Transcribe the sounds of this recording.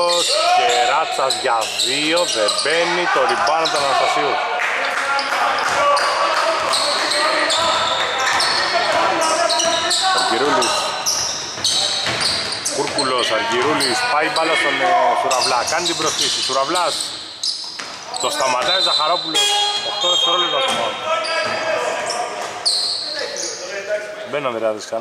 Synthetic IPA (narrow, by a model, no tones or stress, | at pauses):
oskeɾɐt͡sːɐzʝað | ioðebenːit̪oɾibɐnot̪onɐɾosɐsios | ɐɾʝiɾulis | kuɾkulosɐɾʝiɾulispaipalost̪onːeosuɾavlɐkɐnt̪ibɾost̪isisuɾavlas | t̪ost̪ɐmat̪ɐizɐxaɾopulosoxt̪oðekt̪oɾolot̪osomon | benːɐðeɾaðiskɐ